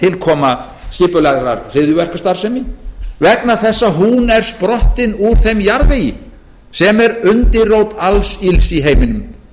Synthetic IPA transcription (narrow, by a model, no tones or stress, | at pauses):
t̪ʰɪlkʰɔːma | scɪːpʏlaɣɾa̰ɾr̥ɪðʏvɛr̥kast̪aɾ̥sɛmivɛkn̪aθɛsːaɦunɛɾ̥spɾɔht̪ɪnuɾ̥θejmjaɾðvejɪ | sɛmɛɾʏnt̪ɪrowt̪alsilsiɦeːjmɪnʏm